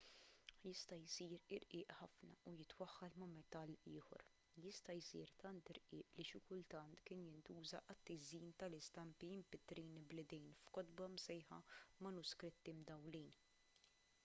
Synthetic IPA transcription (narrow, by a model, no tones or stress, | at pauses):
jɪst̪ɐjsiːɾɪɾʔɪːʔħɐfnɐujɪt̪wɐħːɐlmɐmɛt̪ɐlːɪːħɔ̰ɾ | jɪst̪ɐjsḭːɾt̪ɐnt̪ɪɾʔɪːʔliʃɪkʊlt̪ɐnt̪kɪːnjɪnt̪uːzɐʔɐt̪ːɪziːnt̪ɐlɪst̪ɐmpiɪmpɪt̪ːɾiːnblɪd̪ɛjnfkɔd̪bɐmsɛjħɐ̰mɐnʊskɾɪt̪ːimd̪ɐwliːn